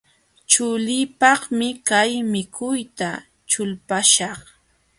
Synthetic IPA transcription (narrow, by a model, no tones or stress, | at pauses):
t͡ʃʊlɪpɑχmɪkajmɪkʰʊjt̪a | t͡ʃʊlpaʃɑχ